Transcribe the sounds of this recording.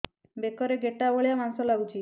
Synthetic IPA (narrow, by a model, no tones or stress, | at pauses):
bekɔɾeɡeʈːaboɭijamansɔlaɡut͡ʃʰi